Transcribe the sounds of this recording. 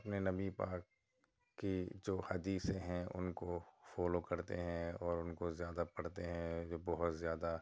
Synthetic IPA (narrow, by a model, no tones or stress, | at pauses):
ɐpnenɐbipaːkː | id͡ʒoːhɐd̪iːsẽɦɛ̃ʊ̰nkofɔːlokɐɾt̪ḛɦɛ̃ɔːɾʊnkozjaːd̪apɐɽt̪eɦɛ̃d͡ʒobɔɦʊt̪zjaːd̪a